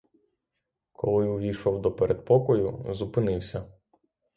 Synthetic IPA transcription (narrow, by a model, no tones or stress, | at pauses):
kɔlˠɪʊʋʲiʃɔwd̪ɔpeɾʔed̪̚pɔkɔjʊzʊpɪnɪwsʲɐ